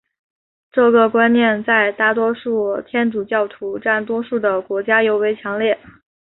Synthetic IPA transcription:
ʈ͡ʂɤ˥˧ɡə˩kwa˥nnjɛ˥˧nt͡sa˥˧ɪt̪a˥˩t̪wɔ˥ʂu˥˩t̪ʰjɛ˥nʈ͡ʂu˨˩t͡ɕjɑ˥˩ʊt̪ʰu˧˥ʈ͡ʂa˥˩nt̪̬wɔ˥ʂu˥˩d̪ə˩kwɔ˧˥t͡ɕja˥jo˧˥ʊwe˧˥ɪt͡ɕʰjɑ˧˥ŋljɛ˥˩

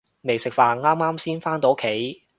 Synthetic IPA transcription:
me˨jsɪ˨k̚faː˨nŋaː˥maː˥msiː˥nfaː˥nt̪o˨˥kʰe˨˥j

